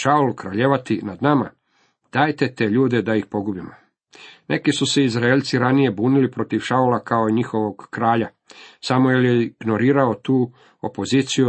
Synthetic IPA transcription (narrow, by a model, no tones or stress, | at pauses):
ʃaulkɾaʎeʋat̪inad̪nama̰ | d̪̥aːjt̪e̞t̪eʎuːd̪e̞d̪aixpo̞ɡubimo | nʔe̞kisuseizɾaeʎt̪siɾanije̞buːnilipɾo̞t̪iʋʃaulakao̞iɲixo̞ʋo̞ɡkɾaːʎa | samueljeɡno̞ɾiːɾao̞t̪uː | opo̞ziːt̪siju